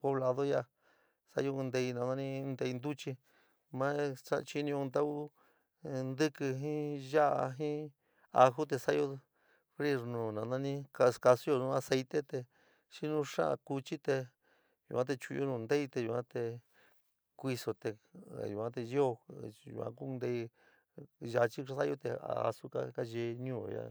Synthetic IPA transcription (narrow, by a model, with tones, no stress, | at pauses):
po˧βla˧ðo˦ja˦˧˨ | sa̰˦˧jõ˧nd̪e˧i˧nã˧nã˧nĩ˦˧nd̪e˧i˧nd̪u˦t͡ʃi˧ | mã˦a̰˦˧t͡ʃi˧nĩ˧õ˧nd̪a˦u˦ | nd̪ɨ˦kɨ˧ɦĩ˦ʒa˦ʔa˧ɦĩ˦ | a˧xu˦t̪e˧sa˦jo˧ | fɾi˦ɾnũː˨nã˧nã˦˧nĩ˦ka˧ska˧su˦jo˧nũ˧a˧se˧jt̪e˦t̪e˧ | ʃi˦nũ˦ʂã̰˦ʔã̰˧ku˧t͡ʃi˦t̪e˧ | jṵ˧kʷã˦t̪̬e˧t͡ʃu˧jo˦nũ˧nd̪e˦i˧t̪e˧ju˧˨ã˦t̪e˧ | kʷi˧so˧t̪ḛ˧˨ju˨ã˧˦t̪e˧jo˦˧ṵ˧kʷã̰˧˦ku˦˧nd̪e˧i˧ | ʒa˧t͡ʃi˦sa˦jo˧t̪e˧a̰˨a̰˧su˦ka̰˦ka˦ʒe˧ɲũː˦˨˧ja̰˧˦